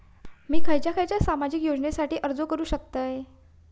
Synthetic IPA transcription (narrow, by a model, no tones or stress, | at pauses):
miːkʰəjt͡ɕjakʰajt͡ɕjasamad͡ʑikjod͡ʑɳesaʈiːʔəɾd͡zokəɾuːɕək̚t̪əj